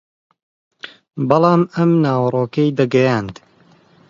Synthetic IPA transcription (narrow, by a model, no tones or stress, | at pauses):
bɑlˠɑːmɐmnaːwrˤoːkɐjd̪ɐɡɐjaːnd̪